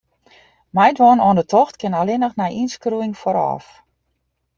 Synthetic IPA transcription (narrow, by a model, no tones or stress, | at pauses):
mɛjdʋɔːnɔːndətʰɔxtkɪnalɪnəxnajʔinskruɪŋfɔɾɔ̰ːf